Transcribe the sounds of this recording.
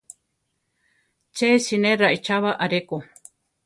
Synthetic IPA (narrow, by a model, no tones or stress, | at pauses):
t͡ʃesinẽɾaʔit͡ʃaβaʔaɾeko